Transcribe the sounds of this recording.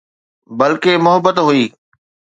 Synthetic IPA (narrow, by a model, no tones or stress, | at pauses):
bɐlkemʊɦəbət̪ɦuiː